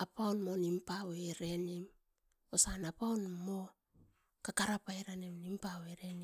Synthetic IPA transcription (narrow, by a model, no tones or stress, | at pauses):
apawnmo̞nimpaweɾenim | osanapawnmo | kakaɾapaeɾanemnimpaweɾe̞ni